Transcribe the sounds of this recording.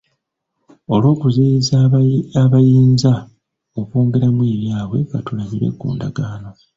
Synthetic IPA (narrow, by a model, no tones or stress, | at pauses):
o̞lwo̞ːkuzejizaaβajiːnza | o̞koːŋɡe̞ɾamwiːβjaːβwe̞ŋɡatulaβiɾwe̞̰kṵːndaɡaːno̞